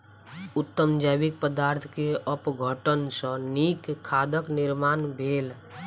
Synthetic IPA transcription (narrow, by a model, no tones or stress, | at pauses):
ʊt̪ːəmd͡ʒaːbik̚pəd̪aːɾt̪ʰkeəpɡʱəʈənsə̃nikʰːaːd̪əknɪɾmaːnbʱeːl